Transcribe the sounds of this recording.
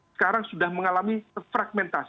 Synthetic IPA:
ə̥kaɾaŋsudahməŋalamifɾaɡ̚mɛnt̪as

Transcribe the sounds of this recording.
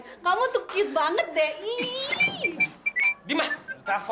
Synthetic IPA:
kamut̪ʊkkiʊt̪̚baŋət̪̚dɛi | dimait̪af

